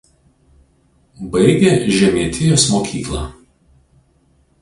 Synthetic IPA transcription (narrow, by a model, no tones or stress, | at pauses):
bɐɪɡʲeːʒʲɛmʲiɛt̪ʲɪjoːsmoːkʲiːklˠɑ